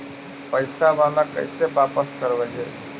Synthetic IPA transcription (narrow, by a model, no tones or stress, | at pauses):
pəjsabalakə̰jsebapəskəɾbɛɦɛ